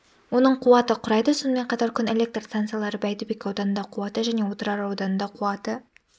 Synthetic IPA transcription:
wo̞nəɴqʰʊwɑt̪əqʰʊɾɑjd̪əsonəme̞ɴqʰɑt̪ɑɾkʲʰʏne̞lʲe̞k̚t̪rst̪ant̪sɨjalˠɑɾəbæjt̪ɪbekʲɑwd̪ɑnənd̪ɑqʰʊwɑt̪əʒæne̞wot̪əɾɑɾɑwd̪ɑnənd̪ɑqʰuɑt̪ə

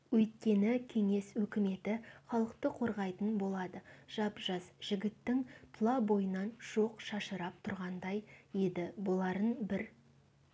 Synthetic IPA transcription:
wɵjt̪̚kʲe̞nɪkʲʰe̞ŋe̞swɵkʲɪme̞t̪ɪχɑlˠəqt̪əqʰo̞ɾʁɑjt̪ənbo̞lˠɑd̪əʒ̥ɑpʒɑzʒ̥ɪɡʲɪt̪ːɪŋpʰlˠɑbo̞jənɑnʒ̥oqʃɑʃəɾɑp̚t̪ʰʊɾʁɑnd̪ɑjjed̪ɪbolˠɑɾənbɪɾ

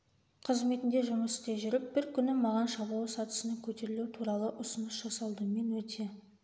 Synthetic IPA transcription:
qʰəzme̞t̪ɪnd̪e̞ʒʊməst̪eʒʏɾɪp̚b̥ɪɾkʲʰʏnɪmɑʁɑnʃɑblˠəsɑt̪ə̥sənəŋkʲʰɵt̪e̞ɾɪluɪt̪ʰuɾɑlˠəʔʊsənəsʒ̥ɑsɑlˠd̪əme̞nwɵt̪ʰe̞

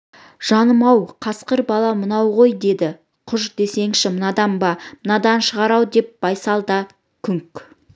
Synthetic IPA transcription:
ʒ̥ɑnəmɑwqʰɑsqəɾbɑlˠɑmənɑwʁo̞jd̪e̞d̪ɪ | qʰʊʒd̪e̞se̞ŋʃɪmənɑd̪ɑmbɑmənɑd̪ɑnʃəʁɑɾɑwd̪e̞p̚b̥ɑjsɑlˠd̪ɑ | kʲʰʏŋk

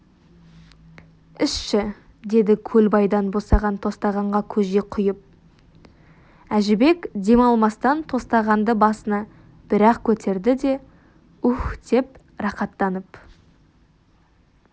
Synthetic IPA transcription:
ɪʃʃɪ | d̪e̞d̪ɪkʲʰɵlbɑjd̪ɑnbo̞sɑʁɑnt̪ʰo̞st̪ɑʁɑɴʁɑkʲʰɵʒeqʰʊjəp̚ | æʒɪbe̞kd̪e̞mɑlˠmɑst̪ɑnt̪ʰo̞st̪ɑʁɑnd̪əbɑsənɑ | b̥ɪɾɑqkʲʰɵt̪ʰe̞ɾd̪ɪd̪e̞ | ʊxd̪e̞p | ɾɑqɑt̪ːɑnəp

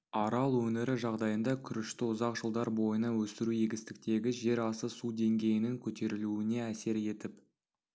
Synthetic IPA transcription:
ɑɾɑlˠwɵnɪɾɪʒɑʁd̪ɑjənd̪ɑkʲʰʏɾɪʃt̪ɪʊzɑqʒəlˠd̪ɑɾbo̞jənɑwɵst̪ɪɾujeɡʲɪst̪ɪk̚t̪e̞ɡʲɪʒe̞ɾɑsəsud̪e̞ŋɡʲe̞jɪnɪŋkʲʰɵt̪e̞ɾɪluɪne̞æse̞ɾje̞t̪ɪp

